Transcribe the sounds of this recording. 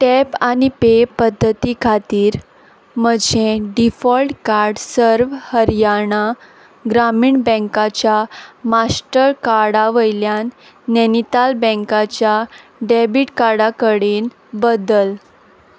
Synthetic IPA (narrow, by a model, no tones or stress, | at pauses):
ʈɛpanipepəd̪ʱːət̪ikʰat̪iːɾ | məd͡ʑʱẽɖifɔlʈkaɾɖsəɾʋhəɾjaɳa | ɡɾamiːɳbɛ̃ŋkat͡ɕjamasʈəɾkaɽaʋəjljanː | ɛnit̪albɛ̃ŋkat͡ɕjaɖebiʈkaɾɽakəɽiːn | bəd̪əl